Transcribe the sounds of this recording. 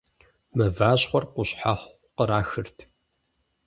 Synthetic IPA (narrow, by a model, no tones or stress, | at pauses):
mɐvaːɕχʷɔrqʷʊɕħaχʷ | qəɾaːxɨrtʰ